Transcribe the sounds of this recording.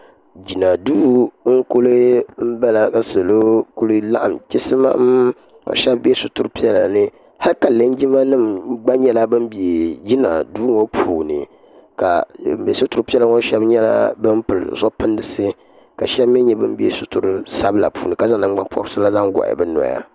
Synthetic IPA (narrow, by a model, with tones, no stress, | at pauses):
d͡ʒi˨na˨duː˦ŋ̩˦ku˦lɨ˦m̩˦ba˦la˨ka˨so˨lo˦kʊ˦lɨ˦la̰˦ʔa˨mt͡ʃɪ˦sɨ˦ma̰˦m | o̰˨ʃɛ˦bbɛ˦sʊ˦tʊ˦ɾɨ˦pi˦ɛ˦la˨nɨ˦ | ha˦lka˨lɨ˦n˦d͡ʒi˦ma˦nɨ˦m˦ɡ͡ba˦ɲɛ˦la˦bɨ˦m˦bi˨e˨d͡ʒi˦na̰˨duː˦ŋo˦pʰuː˨nɨ̰˨ | ka̰˨m̩˦be˨sʊ˦tu˨ɾpi˦ɛ˦la˦ŋo˦ʃɛ˦bɲɛ˦la̰˦bɨ˦m˦pɨ˨l̰zɔ˦pɨ˦ndɨ˨sɨ˦ | ka˨ʃɛ˦bm˦ɛ˦ɲɛ˦bɨ˦m˦bi˦ḛ˦sʊ˦tʊ˨ɾɨ˦sa˦bla̰˨pʰṵː˨nɨ˨ka˦za˦˨nɨ˨˦ɡ͡ba˦mpʰɔ̰˦ɾsɨ˦la˦za˦ŋɡa̰˨ʔɪ̰˨bɛ˦nɔ̰˨ja̰˦˨